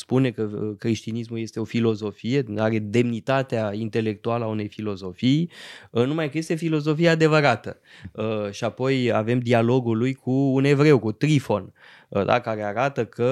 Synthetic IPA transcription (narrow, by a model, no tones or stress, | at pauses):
spune̞kəkɾeʃt̪inismuje̞st̪e̞o̞filo̞zo̞fije̞aɾe̞d̪e̞mnit̪at̪eaint̪e̞le̞k̚t̪ualəaune̞jfilo̞zo̞fijnumajkəje̞st̪e̞filo̞zo̞fijead̪e̞vəɾat̪ə | əʃiapo̞jave̞md̪ialo̞ɡulujkʰuːne̞vɾe̞wkut̪ɾifo̞n | d̪a̰kaɾe̞aɾat̪əkʰə